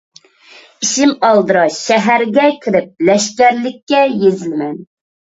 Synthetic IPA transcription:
iʃimɑlˠd̪ɨɾɑʃɛɦæɾɡʲɛkʲʰɪɾɪp̚lɛʃkʲæɾlɪkʲːɛjezɪlmɛn

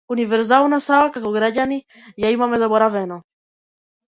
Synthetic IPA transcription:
univɛɾzalwnasaakakoɡɾaɟanijaimamɛzaboɾavɛno

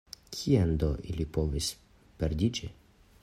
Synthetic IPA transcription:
kʰiand̪oʔilipo̞vis | peɾdid͡ʒi

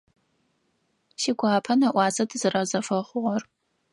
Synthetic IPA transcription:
ʃiɡʷɑːpʰɐnɐʔʷɑːzɐdʰɨzɨrɐzɐfɐχʷʊʁɔr

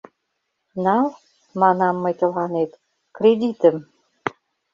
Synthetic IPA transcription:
nɑl | mɑnɑmːɤt̪ə̆lɑnet̪ | kɾed̪ʲit̪əm

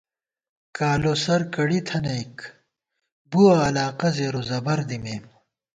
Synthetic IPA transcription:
kaːlosɐɾkɐɽit̪ʰɐnɐik | buɐːlaːqɐzeːɾozɐbɐɾd̪imeːm

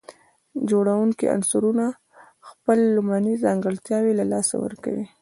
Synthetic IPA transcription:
d͡ʒoɽawuŋkḭʔa̰nsuɾuna | xpəlːʊmanizɑŋɡəlt̪jɑwelalɑsa̰wə̰ɾka̰wi

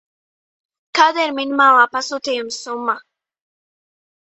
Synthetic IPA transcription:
kaːd̪iɾminimaːlˠaːpasuːt̪ijumsumːa

